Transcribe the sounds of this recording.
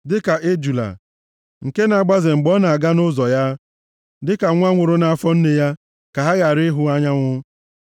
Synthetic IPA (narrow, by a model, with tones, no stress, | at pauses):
dɪ˦ka˨ʔe˦d͡ʒu˨la̰˨ | ŋ̩˨ke˦na˨ɡ͡ba˦zɪ˨ŋ͡m̩˨ɡ͡bɔ˦na˨a˨ɡa˦nʊ˦zɔ˨ja˦ | dɪ˦ka˨ŋʷ˦a˦ŋʷʊ˨ɾʊ˦na˨a˨fɔ˦n̩˦ne˨ja˦ | ka˨ɦa˦ɣa˨ɾɪ˦ɦʊ˦a˦ɲa˦ŋʷʊ˦